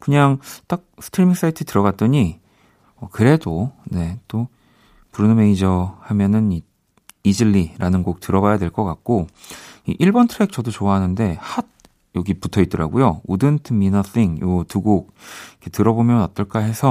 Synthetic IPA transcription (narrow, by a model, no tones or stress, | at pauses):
kɯɲaŋt͈ak̚sʰɯ̥tʰiɭmiŋs͈aitʰɯtɯɾʌɡat̚t͈ʌɲi | ʌkɯɾe̞done̞t͈o | puɾɯnɯmeid͡ʑʌhamjʌnɯni | id͡ʑiɭːiɾanɯnɡok̚tɯɾʌbajadwe̞ɭk͈ʌk͈ak̚k͈oḭʔiɭbʌntʰɯɾek̚t͡ɕʌdot͡ɕoaɦanɯnde̞had̚ | jʌɡiputʰʌit̚t͈ʌɾa̰ɡojoudɯntʰminʌθʰiŋjotuɡok̚ikʰetɯɾʌbomjʌnʌt͈ʌɭk͈aɦe̞sʰʌ